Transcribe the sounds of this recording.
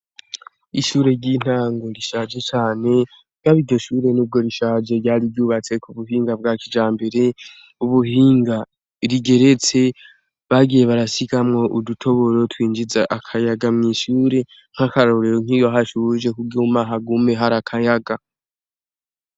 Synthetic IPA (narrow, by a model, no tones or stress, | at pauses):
iʃuːɾe̞ɾɟiːn̥aːŋɡo̞ɾiʃaːd͡ʒe̞t͡ʃaːne̞ | ɡaβiɾɟo̞ʃuːɾe̞nuːb̚ɡo̞ɾiʃaːd͡ʒe̞ɾɟaːɾiɟuːβat͡se̞kuβuɦiːŋɡab̚ɡakid͡ʒaːmbe̞ɾe̞ | uβuɦiːŋɡa | ɾiɡe̞ɾe̞t͡se̞ | βaɡije̞βaɾasikamŋo̞ʔudutʰo̞βo̞ɾo̞twiːnd͡ʒizaʔakʰajaɡamŋiːʃuːɾe̞ | ŋ̥hakaɾoɾeɾoŋ̥ijoɦaʃuʒe̞kuɡɡiumaɦaɡume̞ɦaɾakʰajaɡa